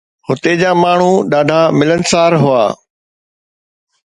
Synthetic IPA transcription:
hʊt̪ed͡ʑaːmaːɳ̤ũːɗaːɖʱaːmɪlənsaːɾɦʊa̰ː

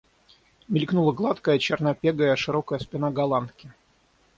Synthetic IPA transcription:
mʲɪlʲknulˠəɡlˠat̪kəjət͡ɕɪrnɐpʲeɡəjəʂɨɾokəjəspʲɪnaɡɐlˠant̪kʲɪ

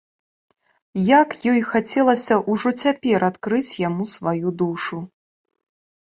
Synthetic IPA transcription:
jakjɔjxat͡sʲɛlˠɐsʲɐʔuʐɔt͡sʲapʲɛɾat̪kɾɨt͡sʲjamusvajud̪uʂu

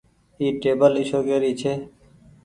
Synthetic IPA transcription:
iːʈeːbəliʃoːkeːɾiːt͡ʃʰeː

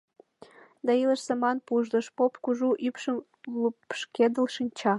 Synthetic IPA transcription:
d̪ɑilə̆ʃsemɑnpuʒd̪ə̆ʃpopkuʒuʔypʃəm | lupʃked̪ə̆lʃinʲt͡ɕɑ

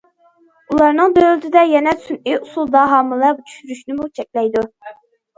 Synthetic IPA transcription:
ulˠɑɾnɨŋd̪ølt̪ʰɪd̪ɛjɛnɛsyniusulˠd̪ɑɦɑmɨlˠɛbut͡ʃʰy̥ʃyɾyʃnymut͡ʃʰɛkʲlɛjd̪u

